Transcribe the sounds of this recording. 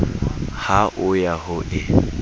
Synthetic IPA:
haʔʊjaɦʊʔɪ

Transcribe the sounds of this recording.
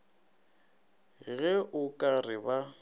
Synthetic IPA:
ɣɛʔʊkʼarɪba

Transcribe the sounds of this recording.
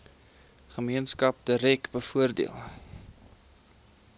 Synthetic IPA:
χəmiənskɐp̚dəɾɛkbəfuərdḭəlˠ

